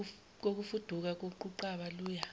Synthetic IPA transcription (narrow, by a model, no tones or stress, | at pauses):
k̬ok̬ufud̥ʱuk̬ak̬uǃuǃaɓaluːja